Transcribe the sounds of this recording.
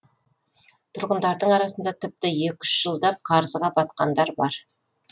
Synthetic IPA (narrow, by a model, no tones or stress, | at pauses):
t̪ʰʊɾʁənd̪ɑɾd̪əɴɑɾɑsənd̪ɑt̪ʰɪp̚t̪ɪjekʲʏ̥ʃʒ̥əlˠd̪ɑp̚qʰɑɾzəʁɑbɑt̪̚qɑnd̪ɑɾbɑɾ